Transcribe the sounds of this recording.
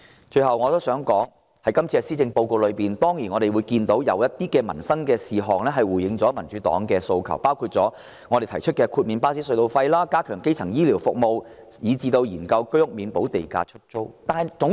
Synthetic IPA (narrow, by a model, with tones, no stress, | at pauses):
t͡ʃɵ˧ɥhɐ˨wŋɔː˨˧t̪o˥wsœː˨˥ŋkɔː˨˥ŋ | hɐ˨˥jkɐ˥mt͡sʰiː˧kɛ˧siː˥t͡sɪ˧ŋpo˧wko˧wlɵ˨˧ɥpiː˨nt̪ɔː˥ŋjiː˨˩nŋɔ˨˧ɾe˨jwuː˨˧jkiː˧nt̪o˨˥wjɐ˨˧wjɐ˥t̚t̪iː˥kɛː˧mɐ˨˩nsɐ˥ŋkɛː˧siː˨ɦɔː˨ŋlɛ˥ɦɐ˨jwuː˨˩jɪ˨˧ŋt͡sɔː˨˥mɐ˨˩nt͡ʃy˨˥t̪ɔ̰ː˨˥ŋkɛː˧so˧wkʰɐ˨˩wpaː˥wkʰuː˧t̚t͡sɔː˨˥ | ŋɔː˨˧ɾe˨jt̪ʰɐ˨˩jt͡ʃʰɵ˥t̚kɛː˧kʰuː˧t̚miː˨˧npaː˥siː˥sɵ˧ɥt̪o˧wfɐ˧jlaː˥kaː˥kʰœː˨˩ŋke˥jt͡sʰɐ˨˩ŋjiː˥liː˨˩wfʊ˨k̚mo˨w | jiː˨˧t͡siː˧t̪o˧wjiː˨˩nkɐ˧wkɵ˥jʊ˥k̚miː˨˧npo˨˥wt̪e˨jka̰ː˧t͡ʃʰɵ˥t̚t͡ʃo˥wt̪aː˨nhɐ˨jt͡sʊ˨˧˥ŋ